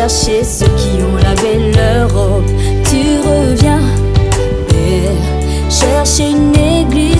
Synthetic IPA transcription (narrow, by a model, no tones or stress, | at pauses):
ɛʁʃesəkʰʲiɔ̃lavɛlø | ʁɔ | t̪y | ʁə | vjɛ̃ | e | ʃɛʁʃeyne | ɡli